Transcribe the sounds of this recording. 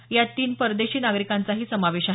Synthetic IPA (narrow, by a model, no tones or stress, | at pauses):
jat̪iːnpəɾd̪eɕiːnaɡɾikant͡saɦiːsəmaʋeɕaɦ